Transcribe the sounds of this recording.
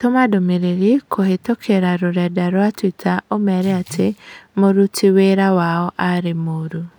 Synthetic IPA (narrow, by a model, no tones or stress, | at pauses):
tomadomeɾeɾikʰohetokʰeɾaɾoɾɛdaɾwatwitʰaʔomɛɾɛatʰemoɾutʰiweɾawaɔʔaɾemoɾu